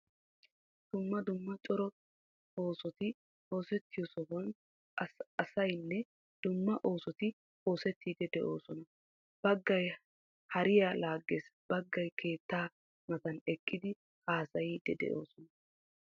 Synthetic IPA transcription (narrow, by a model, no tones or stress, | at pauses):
d̪̥ʊmːɐd̪ʊmːɐt͡ʃʼɔɾɔ | o̞ːsɔt̪ɪ | ho̞ːsɛt̪ːɪjɔsɔɦɔn | ɐsɐjnːɛ | d̪̥ʊmːɐʔo̞ːsɔt̪ɪ | ho̞ːsɛt̪ʰːiːd̪ɛd̪ɛʔo̞ːsɔnɐ | b̥ɐɡːɐj | hɐɾɪjalaːɡːesb̥ɐɡːɐjkʰe̞ːt̪ːaː | mɐt̪ɐnɛkʼːɪd̪ɪ | haːsɐjid̪ɛd̪ɛ̰ʔo̞̰ːsɔnɐ